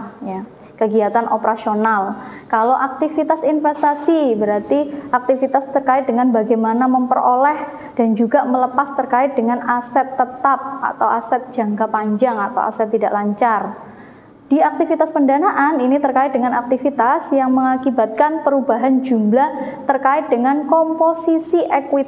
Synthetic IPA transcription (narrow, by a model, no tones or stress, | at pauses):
ja | kəɡiat̪anʔopəɾasionalkalowʔak̚t̪ifit̪asinfɛst̪asibəɾart̪iʔak̚t̪ifit̪ast̪ərkaɪt̪̚dəŋanbaɡajmanaməmpərolɛh | d̥and͡ʒuɡamələpast̪ərkaɪt̪̚dəŋanasɛt̪ːət̪ap̚a̰t̪awasɛt̪̚d̥d͡ʒ̥a̤ŋkapaɲd͡ʒaŋat̪a̰wa̰sɛt̪ːidaʔlaɲt͡ʃar | d̥iak̚t̪ifit̪aspəndanaʔaninit̪ərkaɪt̪̚dəŋanak̚t̪ifit̪asjaŋməŋakibat̪̚kanpəɾubaɦand͡ʒumblaht̪ərkaɪt̪̚dəŋankomposisiʔɛkwɪt̪̚